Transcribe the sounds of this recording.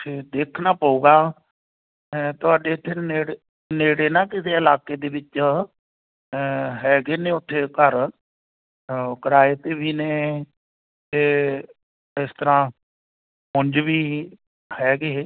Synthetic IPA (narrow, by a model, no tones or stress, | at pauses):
tʰeːd̪eːkʰnaːpaːuːɡaː | t̪ʊaːɖeːʊt̪ʰːeːneːɽ | neːɽeːnãːkɪseːɪlaːkeːd̪eːʋɪt͡ʃ | ɦɛːɡeːneːʊt̪ʰːeːkəɾ | kəɾaːet̪eːbiːneː | t̪eː | ɪst̪əɾãː | mʊ̃ɲd͡ʒbiː | hɛːɡeː